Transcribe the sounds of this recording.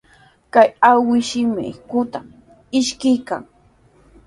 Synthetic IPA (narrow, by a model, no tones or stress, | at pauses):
kajawɪʃɪmɪ̰kʊt̪am | ɪʃkɪjka̰ŋ